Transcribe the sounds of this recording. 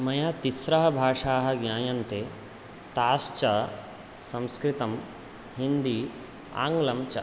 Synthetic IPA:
mɐjɐt̪isɾɐɦɐbʱaːʂaːɦɐ̆ɡɲʲaːjɐnt̪e | t̪aːst͡ʃɐ | sɐ̃mskɾit̪ɐm | hind̪i | a̰ːŋɡlɐmt͡ʃɐ

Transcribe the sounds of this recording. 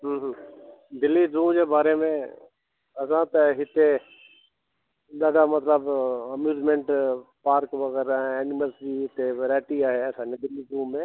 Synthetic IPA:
ɦəːɦə̃d̪ɪlːizɾũːmd͡ʑebaːɾemẽ | ɐsãt̪ɐɦɪt̪e | ɗɐɽamɐt̪ləbɐmjuːzmẽɳʈpaːɾkʋɐɣɛːɾaɦɛ̃ɛːnɪməlsbiɦɪt̪eɾɛːʈiaːɦeɐsãːed̪ɪlizɾuːmːẽː

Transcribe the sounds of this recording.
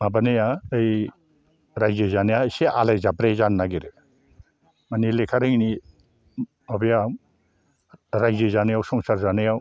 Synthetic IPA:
mabanejaej | ɾajzɯzanejajseʔa̰lajzabɾezanːaɡiɾɯ | manilekʰaɾɯŋni | mabeja | ɾajzɯzanɯjawsɔŋsaɾzanɯjaw

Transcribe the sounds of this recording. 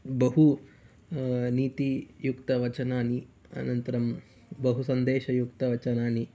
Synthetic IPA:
bɐɦu | niːt̪ijukt̪ɐʋɐt͡ʃɐnaːni | ɐ̰nɐnt̪ɐɾɐm | bɐɦusɐnd̪eːʃɐjukt̪ɐʋɐt͡ʃɐnaːni

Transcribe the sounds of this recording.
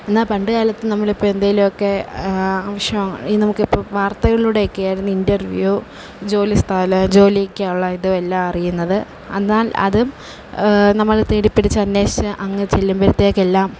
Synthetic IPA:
e̞nːaːlpɐɳɖɨɣaːlɐt̪ːɨnɐmːɐɭipːoːend̪ajilumokːe̞aːʋɐʂjɐmɐŋinɐmukːipːoːʋaːrt̪ɐɣɐɭuːɽeokːejaːjɾunːindɐrʋju | d͡ʑo̞ːlist̪ʰaːlɐd͡ʑo̞ːlikʲːaːuɭːɐiðuelːaːmɐrijunːɐðɨ | enːaːlɐ̰ðɨ | nɐmːɐɭt̪eːɽipːeɽit͡ɕːɨɐnːe̞ːɨʔɐŋːɐt͡ɕe̞lːumbɐɾit̪ːeːokːelːaːm

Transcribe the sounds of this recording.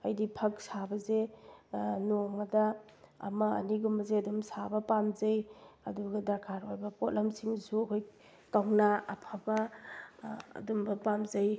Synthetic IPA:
ɐjdipʰɐk̚sabɐze | noŋmɐda̰ːma̰ːniɡumbɐzeɐdumsabɐpamzajɐduɡɐdaɾkʰaɾojbɐpot̚lamsiŋsuɐkʰoj | kawnaa̰pʰaba | dumbɐpamzaj

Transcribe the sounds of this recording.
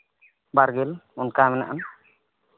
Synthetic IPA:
baɾɡelunkamɛna̰ʔan

